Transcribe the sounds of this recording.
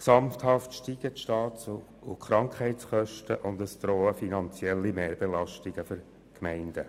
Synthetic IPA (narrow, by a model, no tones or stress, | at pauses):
ksɑmfthɑftʃtiɡ̥ətʃtɑːts | ʊkχɾɑŋkχɛɪtsχœʃtəʔʊndəsd̥̪ɾɔːəfinɑnt͡sjɛlːimeːɾb̥elɑʃtiɡ̥əføɾ | kmɛɪnd̥ə